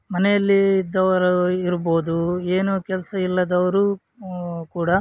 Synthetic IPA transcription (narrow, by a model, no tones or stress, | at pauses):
mɐnɛjɐlːiːd̪ːɐʋɐɾɐiɾbo̞ːd̪ue̞ːnukɛlɐsɐilːɐd̪ɐʋɐɾu | kuːɽɐ